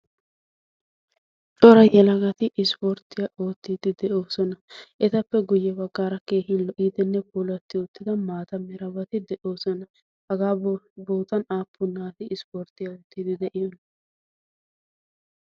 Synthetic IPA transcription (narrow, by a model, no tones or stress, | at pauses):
t͡ʃʼɔɾɐjɛlɐɡɐt̪ɪʔɪspɔɾt̪ːɪjaʔo̞ːt̪ːiːd̪ɪd̪ɛʔoːsɔnɐʔɛt̪ɐpːɛɡʊjːɛbɐɡːaːɾɐke̞ːɦɪnlɔʔiːd̪ɛnːɛpuːlɐt̪ːɪʊt̪ːɪd̪ɐmaːt̪ɐmɛɾɐbɐt̪ɪd̪ɛʔoːsɔnɐ | hɐɡaːboːt̪ɐnaːpʰːʊnaːt̪ɪʔɪspoɾt̪ɪjaoːt̪ːiːd̪ɪd̪ɛʔɪjɔnɐ